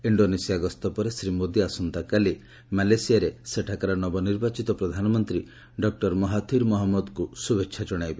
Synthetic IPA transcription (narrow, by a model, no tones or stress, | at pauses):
iɳɖonesiaɡɔst̪ɔpɔɾesɾimod̪jiasɔnt̪akali | malesijaɾeseʈʰakaɾɔnɔbɔniɾbat͡ʃit̪ɔpɾɔd̪ʱanɔmɔnt̪ɾi | ɖɔk̚ʈɔɾmɔɦat̪ʰiɾmɔɦɔmːɔd̪kusubekt͡ʃʰad͡ʒɔɽ̃ajbe